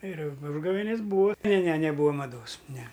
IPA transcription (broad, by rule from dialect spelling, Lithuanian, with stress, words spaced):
ɪr ʊ ˈʊʒɡɐʋʲeːnʲɪs ˈbuːɐ nʲɛ nʲɛ nʲɛˈbuːɐ mɐˈdoːs nʲɛ